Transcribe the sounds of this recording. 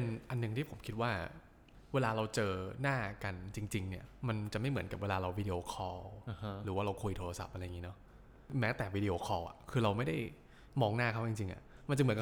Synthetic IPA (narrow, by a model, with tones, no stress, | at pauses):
a˧nʔa˧nːɯ˨˩ŋt̪ʰiː˥˩o˩˦mkʰi˦t̪̚waː˥˩ | weː˧laː˧ɾa˧wt͡ɕɤː˧naː˥˩ka˧nt͡ɕi˧ŋt͡ɕi˧ŋni˥˩ɐma˧nt͡ɕa˨˩ma˥˩jmɯ˩˦nka˨˩p̚weː˧laː˧ɾa˧wiː˦˧di˧ʔoː˧kʰɔː˧ɾɯː˩˦waː˥˩ɾa˧wkʰu˧jt̪ʰoː˧ɾa˧sa̰˨˩p̚ʔa˧ɾa˧ja˨˩ŋiː˦˥nɔ˦˥ | mɛː˦˥t̪ɛː˨˩wiː˦˥di˧ʔoː˧kʰɔː˧wʔa̰˨˩kʰɯː˧ɾa˧wma˥˩jda˥˩j | mɔː˧ŋnaː˥˩kʰa˦˥˩wt͡ɕi˧ŋt͡ɕi˧ŋʔa̰˨˩ | ma˧nt͡ɕa˨˩m˩˦nka˨˩